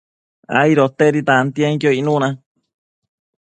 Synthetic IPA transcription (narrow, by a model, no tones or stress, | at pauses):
a̰iɾot̪eɾit̪ant̪iaŋkjoinũnã